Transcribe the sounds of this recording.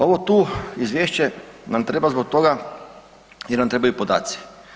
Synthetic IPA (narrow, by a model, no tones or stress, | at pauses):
oʋot̪uːizʋjeːʃt͡ɕenamt̪ɾebazbok̚t̪oɡa | jɛɾnamt̪ɾebajupod̪a̰ːt̪si̥